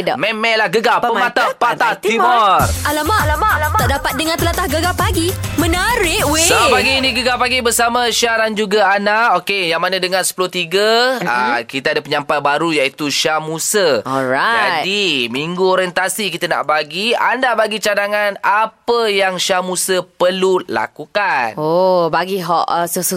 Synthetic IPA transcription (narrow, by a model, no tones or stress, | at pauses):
mɛmɛlahɡəɡapəmat̪apat̪at̪imɔralamalaaaʔdapat̪̚dəŋãnt̪əlat̪ahɡəɡapaɡimənaɾɪʔweopaɡiːniɡəɡapaɡibərsamə̃ʃaɾand͡ʒuɡaanaokejaŋmanãdəŋãnsə̥pulʊht̪iɡəə̰kit̪əadapəɲampajbaɾujait̪uʃamusəɔɾad͡ʒat̪dimiŋɡuoɾɛnt̪asikit̪əna̰ʔbaɡia̰ndabaɡit͡ʃadaŋanapəjaŋʃamusəpəlula̰kukanobaɡiɦɔ̰ʔəsəsu